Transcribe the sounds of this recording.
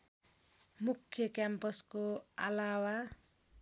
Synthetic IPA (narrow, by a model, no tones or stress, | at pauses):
mukʰːjʌkampʌskoa̰lawa